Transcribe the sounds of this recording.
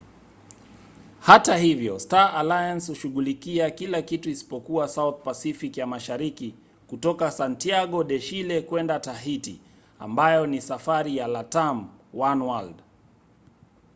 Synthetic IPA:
hatahivjɔstaʔalajanshuʃuɠulikiakilakituisi̥pɔkuasawθpasifikijamaʃaɾiki | kutɔkasantiaɠɔɗɛʃilɛkwɛndataɦitḭ | a̰mbajɔnisafaɾijalatamwanwald

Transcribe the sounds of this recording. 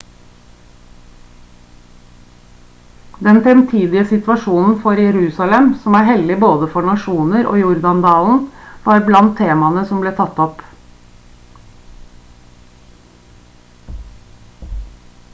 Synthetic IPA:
d̪ɛnfɛmt̪ʰiːd̪ɪəsɪt̪ʋɑʃuːnn̩fɔɾjɛɾʉːsɑlɛmsɔmæːɾhɛld̪ɪboːd̪əfɔɳɑʃuːnəɾo̰ːjʊɾd̪ɑnd̪ɑːln̩ʋɑːɾblɑnt̪ʰːeːmɑnəsɔmbleːt̪ʰɑt̪ɔp

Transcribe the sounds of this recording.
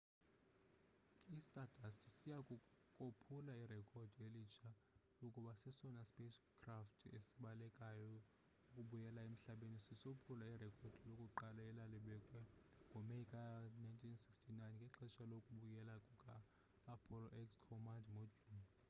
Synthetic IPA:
istʼadʱʼastʰʼisijakʼukʼopʰulairɛkʼʰɔd̥ʱelit͡ʃʰa | lukʼuɓasɛsɔnaspʼeskʰraftʰḛsiɓalɛkʼajɔ | ukʼuɓujɛlaem̩ɬaɓenisisopʰulairɛkʰʼɔd̥ʱilokʼuǃalaɛlaliɓɛkʼwɛŋɡʱɔmeikʼanajntʼʰinsi̥kstʰinajnkʼɛǁɛʃalokʼuɓujɛlakʼukʼaː | pʰɔlɔʔɛkskʰɔmandmodʱun

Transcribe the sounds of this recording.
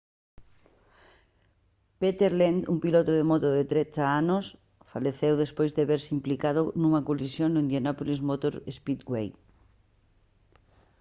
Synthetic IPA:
pet̪eɾlend̪uŋpilot̪ʊðemot̪ʊðet̪ɾet̪aanos | faleθewðespojzðeβeɾsimplikaðʊnũŋɐkolisjoŋnʊĩnd̪jonɔpolizmot̪oɾespit̪ɡwej

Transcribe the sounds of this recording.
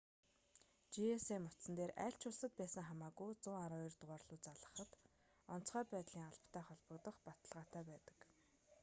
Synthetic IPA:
t͡ɕieseːmʊt̪sə̆nt̪eːræ̰ːɬʲt͡ɕʰʊɮsə̆t̪̚pæːsə̆ŋχamaːkujt͡sʊːaɾʊjrt̪ʁaːrɮʊːt͡saɮʁə̆χə̆t̪ | ɔn̥t͡sχæːpæːt̪ɮ̥iːŋaɮpʰt̪ʰæːχɔɮpə̆kt̪ə̆χpat̪ə̆ɮʁaːt̪ʰæːpæːt̪ə̥̆k

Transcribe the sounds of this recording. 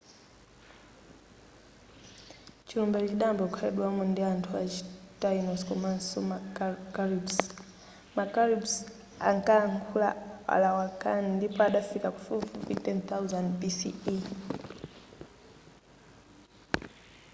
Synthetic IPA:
t͡ʃilumbat͡ʃit͡ʃiɗambɔkʰaɛɗwamundiantʰua̰t͡ʃi̥tainɔskɔmansɔmakaɾibs | makaɾibs | a̰ŋkaːŋɡʰula̰a̰lawakanindipɔaɗafikaku̥fufufitɛnt̪auzandpisḭi

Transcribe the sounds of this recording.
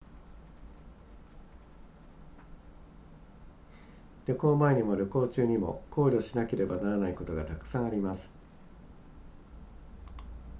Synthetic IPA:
ɾʲo̞ko̞ːmaeɲ̟imo̞ɾʲo̞ko̞ːt͡ɕɨːɲ̟imo̞̰ko̞ːɾʲo̞ɕinake̞ɾe̞banaɾanaiko̞t̪o̞ɡat̪akɯ̟̥sãɰ̃aɾʲimasɨ̥

